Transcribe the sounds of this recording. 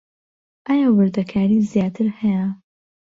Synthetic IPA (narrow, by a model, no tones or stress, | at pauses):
ʔajaːwɨɾd̪ɐkʰaːɾiːzijaːt̪ʰɨɾhɐjɐ